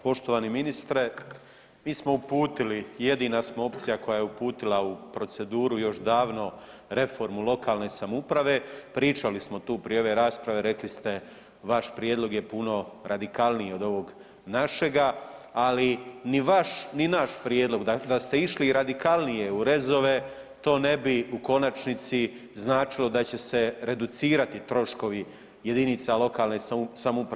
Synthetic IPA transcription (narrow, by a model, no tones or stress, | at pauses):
po̞ʃt̪oʋaːniminist̪ɾe | miːsmo̞upuːt̪ilije̞d̪iːnasmo̞o̞pt̪sijako̞jajeupuːt̪ilˠaupɾo̞tse̞d̪uːɾujo̞ʃd̪aːʋno̞ | ɾe̞fo̞ɾmulˠo̞kaːlˠne̞samupɾaʋe̞pɾiːt͡ʃalismo̞t̪uːpɾijo̞ʋe̞ɾaːspɾaʋe̞ɾe̞klist̪e̞ | ʋaʃpɾjed̪lˠo̞ɡje̞puno̞ɾad̪ikalˠnijeo̞d̪o̞ʋo̞ɡ | naʃe̞ɡaaliniʋaʃninaʃpɾjeːd̪lo̞ɡd̪ad̪ast̪e̞iʃliɾad̪ikalˠnije̞uɾe̞zo̞ʋe̞ | t̪o̞ːne̞biuko̞nat͡ʃnit̪si | znaːt͡ʃilo̞d̪at͡ɕe̞se̞ɾe̞d̪ut̪siːɾat̪it̪ɾo̞ʃko̞ʋi | je̞d̪init̪salo̞kaːlne̞samupɾa